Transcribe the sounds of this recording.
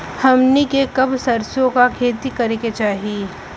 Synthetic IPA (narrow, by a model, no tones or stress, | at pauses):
hɐmnikekɐbsɐɾsjõkakʰeːt̪ikɐɾeket͡ʃaːɦiː